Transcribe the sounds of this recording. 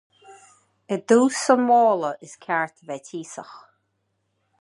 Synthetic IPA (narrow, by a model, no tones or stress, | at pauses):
əd̪uːsəmɔːləʔɪskʲʰaɹt̪ʰəvɛtʰiːsəx